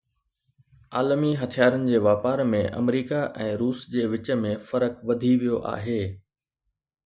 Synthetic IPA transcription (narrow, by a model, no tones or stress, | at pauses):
aːlmiɦɐt̪ʰijaːɾənɪ̆d͡ʑeːʋaːpaːɾmẽʔɐ̰mɾiːkaʔɛ̃ːɾuːsd͡ʑeːʋɪt͡ɕə̆mẽfɐɾəkʋɐd̪ʱiʋijoʔa̰ːɦeː